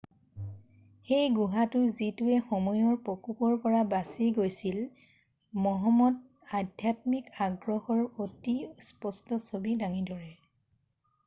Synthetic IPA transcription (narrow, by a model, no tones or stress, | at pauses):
xejɡuɦatʊzitʊɛxomujɔɹpokupɔɹpɔɹabasiɡojsil | mɔɦɔmɔd | adʱjatmikaɡɹɔxɔɹotispɔstɔsobidaŋidʱɔɹɛ